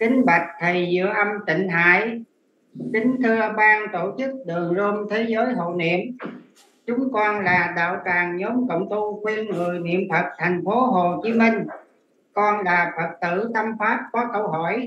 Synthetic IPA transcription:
kï˨˩ŋ̟ɓa˨˩jk̟̚t̪ʰə˨˩jzɨ̰˧˨əʔə˧mt̪ï˧˨ŋ̟ɦa̰ː˧˥˨j | kï˨˦ŋ̟t̪ʰɨ˧əɓaː˧ŋt̪o˧˩t͡ɕɨ˦˥k̚ɗɨ˨˩əŋzo˧mt̪ʰe˨˦zəː˨˦jɦo̰˧˨nḭ˧˨əm | t͡ɕʊ˨˦ŋ͡mkɔ˧nlaː˨˩ɗa̰ː˧˨wtaː˨˩ŋɲɔ˨˦ŋ͡mkə̰˧˨wŋ͡mt̪u˧kwi˧ənŋɨ˨˩əjnḭ˧˨əmfə˨˩t̚t̪ʰa˨˩jŋ̟fo˨˦ɦo˨˩t͡ɕi˨˦mi˧ŋ̟ | kɔ˧nlaː˨˩fə˨˩k̚t̪ɨ̰˧˨t̪ə˧mfaː˦˥p̚kɔ˨˦kə˧wɦɔ˧˩˨j

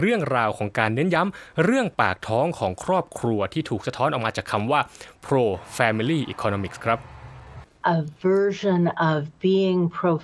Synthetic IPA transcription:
ɾɯ˥˩əŋɾaː˧wkʰɔː˩˦ŋkaː˧nːɯ˦˥nja˦˥mɾɯ˥˩əŋpaː˨˩k̚t̪ʰɔː˦˥ŋkʰɔː˩˦ŋkʰɾɔː˥˩p̚kʰɾu˧ɐt̪ʰiː˥˩t̪ʰuː˨˩k̚sa˧t̪ʰɔː˦˥nʔɔː˨˩maː˧t͡ɕaː˨˩kʰːa˧mwaː˥˩pʰɾoː˧fɛː˧mi˧liː˥˩ʔḭː˨˩kʰɔː˧noː˧mi˨˩kskʰɾa˦˥p̚ | ʔəvɜ˞ʒə̃nʌvbiɪ̃ŋpʰɹ̥oʊ

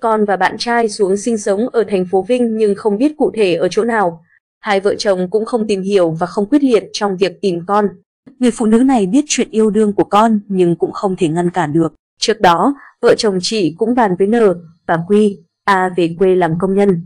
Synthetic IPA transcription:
kɔ˧nvaː˨˩ɓa̰ː˧˨nt͡ɕaː˧jsu˨˦əŋsï˧ŋ̟sə˨˦wŋ͡mʔəː˧˩t̪ʰɛ˨˩jŋ̟fo˨˦vï˧ŋ̟ɲɨ˧ŋxə˧wŋ͡mɓi˦˥ət̚kṵ˧˨t̪ʰe˧˩ʔəː˧˩t͡ɕo̰˧˥naː˨˩w | haː˧jvə̰ː˧˨t͡ɕə˨˩wŋ͡mkʊ̰˧˥ŋ͡mxə˧wŋ͡mt̪i˨˩mhi˧˩əwvaː˨˩xə˧wŋ͡mkwi˦˥t̚li˧˨ən̚t͡ɕɔ˧wŋ͡mvi˨˩ək̚t̪i˨˩mkɔ˧n | ŋɨ˨˩əjfṵ˧˨nɨ̰˨˦na˨˩jɓi˦˥ət̚t͡ɕwḭ˧˨ənʔi˧əwɗɨ˧əŋku˧˩əkɔ˧nɲɨ˧ŋkʊ̰˧˥ŋ͡mxə˧wŋ͡mt̪ʰe˧˩ŋa˧nkaː˧˩nɗɨ˨˩ək̚ | t͡ɕɨ˦˥ək̚ɗɔ˨˦ | və̰ː˧˨t͡ɕə˨˩wŋ͡mt͡ɕḭ˧˨kʊ̰˧˥ŋ͡mɓaː˨˩nvəː˨˦jnəː˨˩vaː˨˩kwi˧ | ʔaː˧ve˨˩kwe˧laː˨˩mkə˧wŋ͡mɲə˧n

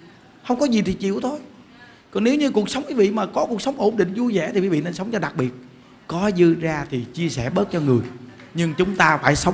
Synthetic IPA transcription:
hə˧wŋ͡mkɔ˨˦zi˨˩t̪ʰi˨˩t͡ɕḭ˧˨əwt̪ʰo˧j | kɔ˨˩ne˨˦wɲɨ˧ku˨˩ək̚sə˨˦wŋ͡mki˨˦vḭ˧˨maː˨˩kɔ˨˦ku˨˩əksə˨˦wŋ͡mʔo˧˩nɗḭ˧˨ŋ̟zu˧zɛ̰˧˩t̪i˨˩ki˨˦vḭ˧˨ne˧nsə˨˦wŋ͡mt͡ɕɔ˧ɗa˨˩k̚ɓi˨˩ət̚ | kɔ˨˦zɨ˧əzaː˧t̪ʰi˨˩t͡ɕi˧əsɛ˧˩ɓə˦˥t̚t͡ɕɔ˧ŋɨ˨˩əj | ɲɨ˧ŋt͡ɕʊ˨˦ŋ͡mt̪aː˧faː˧˩jsə˨˦wŋ͡m

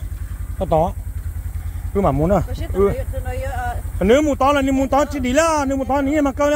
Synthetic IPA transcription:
kɔ˧˩t̪ɔ˨˦ | kːma˨mu˨˦nɔ˧˩ʔɨ˧ | a˨nɨ˧˦mu˧˩˨t̪ɔ˨˦la˨n˧˦m˧˦t̪ɔ˨˦t͡ɕi˧ɗi˨˦la˧˦˨nɨ˧˦mu˧˨t̪ɔ˧˦˧ni˧˦ŋɛ˧˦maː˨kə˧n˧

